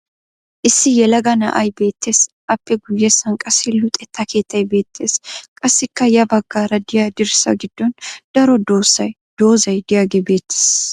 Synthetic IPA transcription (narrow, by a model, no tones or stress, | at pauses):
ʔɪsːɪjɛlɐɡɐnɐ̰ʔɐjbe̞ːt̪ːe̞ːs | ʔɐpːɛɡʊjːɛsɐŋkʼɐsːɪlʊt̪ʼɛt̪ʰːɐke̞ːt̪ːɐjbe̞ːt̪ːe̞ːskʼɐsːɪkːɐjɐbɐɡːaːɾɐd̪ɪjad̪ɪɾsɐ̰ɡɪd̪̥ːɔnd̪̥ɐɾɔd̪o̞ːsːɐj | d̪̥o̞ːzɐjd̪ɪjaːɡɛbe̞ːt̪ːe̥ːs